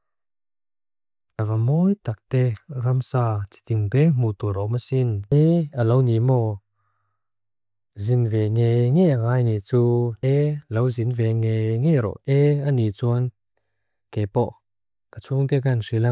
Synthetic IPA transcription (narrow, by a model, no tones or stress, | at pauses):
ʔavamɔjt̪ak̚t̪ɛramsaːt͡si̥t̪iŋt̪ɛm̥ut̪uɾɔmasinɛalownimɔ | zinvɛŋejŋɛaŋaːjnit͡suɛlowzinvɛŋejŋeɾɔ̰ʔʔɛanit͡suən | kɛpɔʔ | kat͡sʰuŋt̪ɛkansila